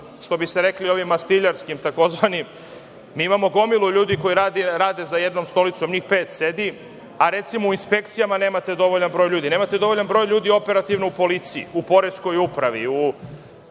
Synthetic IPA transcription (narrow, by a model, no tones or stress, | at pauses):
ʂt̪o̞biseɾe̞klio̞ʋimːast̪iʎaɾskimt̪ako̞zʋanim | miːimamo̞ɡo̞milˠuʎuːd̪iko̞iɾaːd̪iɾaːd̪e̞zaje̞d̪no̞mst̪o̞lit̪so̞mɲixpe̞ːt̪sed̪i | aɾe̞t̪simouinspe̞kt̪sijamane̞ːmat̪e̞d̪o̞ʋoʎanbɾo̞ːjʎuːd̪ineːmat̪e̞d̪o̞ʋo̞ʎanbɾo̞ːjʎuːd̪io̞pe̞ɾat̪iʋnoupo̞lit̪siḭupo̞ɾesko̞jupɾaʋḭu